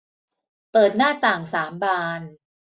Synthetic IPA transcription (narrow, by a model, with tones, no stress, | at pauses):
pɤː˨˩t̪̚naː˥˩t̪aː˨˩ŋsaː˩˦mbaː˧n